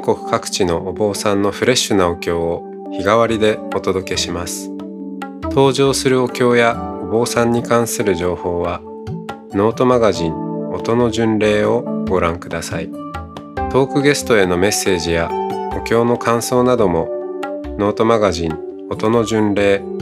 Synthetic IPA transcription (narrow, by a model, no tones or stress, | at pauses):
ko̞kɯ̟̥kakɯ̥t͡ɕino̞ʔːbo̞ːsãnːo̞ɸɯ̟ɾe̞ɕɨnao̞kʲo̞ːo | çiɡaβaɾʲid̪e̞o̞t̪o̞d̪o̞ke̞ɕimasɨ̥ | t̪o̞ːʑo̞ːsɨɾɯ̟o̞kʲo̞ːjaobo̞ːsãɲ̟ːikãɰ̃sɨɾɯ̟ʑo̞ːho̞ːβa | no̞ːt̪o̞maɡaʑĩɴo̞t̪o̞no̞ʑɨ̃nɾe̞ːo̞ɡo̞ɾãŋkɯ̟d̪asai | t̪o̞ːkɯ̟ɡe̞sɨ̥t̪o̞e̞no̞me̞sːe̞ːʑijaokʲo̞ːno̞kãɰ̃so̞ːnad̪o̞mo̞ | no̞ːt̪o̞maɡaʑĩɴ | o̞t̪o̞no̞ʑɨ̃nɾe̞ː